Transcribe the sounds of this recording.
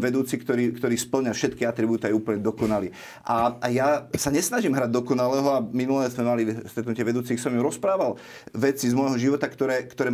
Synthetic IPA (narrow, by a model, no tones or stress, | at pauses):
ʋɛd̪uːt͡sikt̪ɔɾiːkt̪ɔɾiːspl̩ɲafʃɛt̪kiat̪ɾibuːt̪iajuːpl̩ɲɛd̪ɔkɔnaliː | ʔaajasaɲɛsnaʒimɦɾaɟ̚d̪ɔkɔnalɛːɦɔaminulɛzmɛmalist̪ɾɛt̪nucɪɛʋɛd̪uːt͡sixsɔmimɾɔspɾaːʋal | ʋɛt͡sizmɔjɦɔʒiʋɔt̪akt̪ɔɾɛːkt̪ɔɾɛː